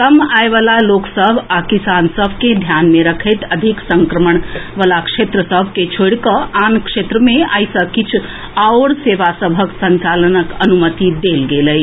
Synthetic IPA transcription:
kəmaeʋalaloːksəbʱakisansəbʱked̪ʱjanmeɾəkʰet̪əd̪ʱiksəŋkɾəməɳ̃ʋəlakʂet̪ɾəsəbʱket͡ʃʰoɽkəaːnkʂet̪ɾəmẽaɪsəkit͡ʃʰ | aoɽseːʋasəbʱəksə̃ɲt͡ʃalənəkənumət̪id̪elɡeləj

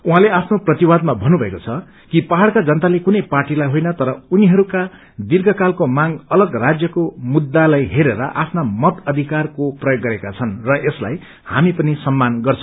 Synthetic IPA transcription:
uɦãleapʰnoprʌt̪iwad̪mabʱʌnːubʱʌekot͡sʰʌ | kipaɦaɽkad͡zʌnt̪alekunʌjparʈilajɦojnʌt̪ʌɾʌuniɦʌɾuka | d̪irɡʌkalkomaŋʌlʌɡrad͡zjʌkomud̪ːalajɦeɾeɾʌ̰ʔapʰnamʌt̪ʌd̪ʱikarkoprʌjoɡːʌɾekat͡sʰʌnrʌʔesla̰j | hamipʌnisʌmːanɡʌrt͡sʰʌ̥̃

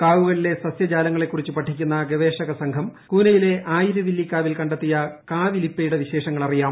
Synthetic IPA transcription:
kaːʋuɣɐɭile̞sɐsjɐd͡ʑaːlɐŋːɐɭe̞kːurit͡ɕːupɐʈʰːikʲːunːɐɡeʋe̞ːʂɐɣɐsɐŋkʰɐmkuːnɐjile̞ʔaːjiɾɐʋilːikːaːʋilkɐɳɖɐt̪ːijɐkaːʋilipːejuɽeʋiɕe̞ːʂɐŋːɐɭɐrijaːm

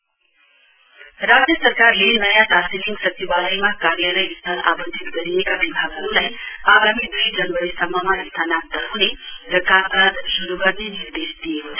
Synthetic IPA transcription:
ɾad͡zjʌsʌɾkarlenʌjat̪asiliŋɡsʌt͡ʃʰibaləjmakaɾjalʌjist̪ʰalʔa̰bʌnd̪ʱit̪ɡʌɾijekabibʱaɡʌɾulajaɡamid̪ujd͡zʌnʋʌɾisʌmːʌmaist̪ʰanat̪əɦuneɾʌkat̪ad̪suɾuɡʌɾneniɾd̪esd̪ijekot͡sʰa

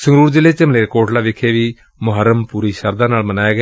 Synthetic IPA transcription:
səŋɾuːɾd͡ʒɪlːeːt͡ʃemleːɾkoːʈlaːʋɪkʰeːʋiː | mʊɦəɾəmpuːɾiːʃəɾd̪ãːnaːlmənaːjeːɡ

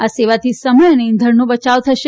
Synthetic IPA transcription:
aseʋat̪ʰisəməjəneĩnd̪ʱəɾnũbət͡ʃaʋt̪ʰəʃe

